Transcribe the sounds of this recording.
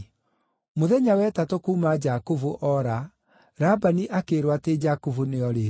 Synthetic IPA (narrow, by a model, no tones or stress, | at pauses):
moðɛɲawɛtatokumad͡ʒakovoʔɔɾa | ɾabaniʔakeɾwated͡ʒakovoneɔɾe